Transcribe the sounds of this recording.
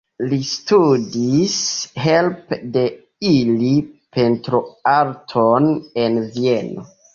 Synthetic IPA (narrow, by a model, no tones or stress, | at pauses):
listudisɦe̞lpde̞ | ilipʰe̞ntɾoaɾtʰone̞nvieno